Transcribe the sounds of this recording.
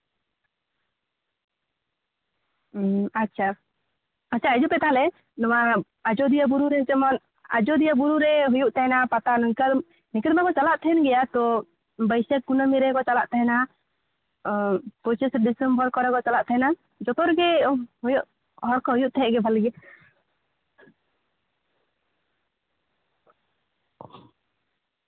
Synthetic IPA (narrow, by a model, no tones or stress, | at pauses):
atːʃʰa | at͡ʃʰaɛd͡ʒupɛt̪aɦalɛ | nɔwa | ad͡ʒɔd̪ijabuɾuɾɛnt͡ʃɛmɔn | a̰d͡ʒɔd̪ijabuɾuɾɛɦujuʔt̪ɛɦɛnapat̪anikə | nikəd̪makɔt͡ʃalaʔt̪ʰɛɛnɡɛjat̪ɔ | bəjsɛk̚kunəmiɾɛkɔt͡ʃala̰ʔt̪ʰɛɦɛna | pɔsɛsɾɖisəmbɔlkɔɾɛkɔt͡ʃalaʔt̪ʰɛɦɛna | d͡ʒɔt̪ɔɾɡɛɦujuʔ | ɦɔɽkɔɦujuʔt̪ʰɛɛʔɡɛbʱaliɡɛ